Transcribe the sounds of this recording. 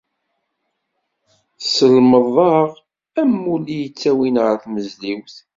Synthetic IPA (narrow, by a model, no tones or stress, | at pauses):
səlməðˤɑʁ | æmːulijət͡sːæwinʁəɾθməzliwθ